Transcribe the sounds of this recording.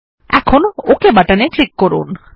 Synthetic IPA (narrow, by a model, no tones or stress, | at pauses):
ɛ̰kʰonokebaʈaneklikːɔɾṵn